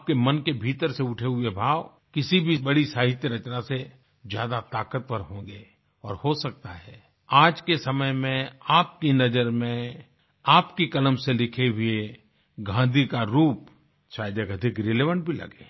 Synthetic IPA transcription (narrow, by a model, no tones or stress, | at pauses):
p̚kemənkebʱiːt̪əɾseʊʈʰeɦʊebʱaːʋ | kɪsibʱibɐɽisaːɦɪt̪jəɾɐt͡ʃnase | zjaːd̪at̪aːkət̪̚pəɾɦõːɡe | ɔːɾhosɐk̚t̪aɦɛː | aːd͡ʒkesɐməjmẽaːp̚kinɐd͡ʒəɾmẽ | aːpkikɐləmselɪkʰeɦʊe | ɡʱãːd̪ʱikaɾuːp̚ | ʃaːjd̪əkɐd̪ʱɪkɾɪleːʋə̃ɳʈ̚bʱilɐ̰ɡḛː